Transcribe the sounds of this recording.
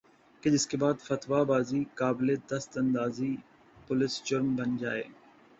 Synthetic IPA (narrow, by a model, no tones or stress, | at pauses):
ked͡ʒɪskeːbaːd̪fɐt̪ʋabaːzikaːbled̪ɐst̪ɐ̃nd̪aːzi | pʊlɪst͡ʃʊɾmbʱɐnd͡ʒaːḛː